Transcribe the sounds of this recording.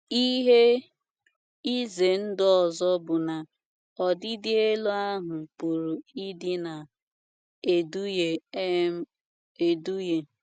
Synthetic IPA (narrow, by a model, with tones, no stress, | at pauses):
i˦ɦe˦ | i˦ze˨n̩˦dɔ˨zɔ˦bʊ˨na˨ | ɔ˨dɪ˦dɪ˦e˦lo˦a˦ɦʊ˨pu˨ɾu˨i˦dɪ˦na˨ | e˨du˦je˨˦ | e˨du˦je˨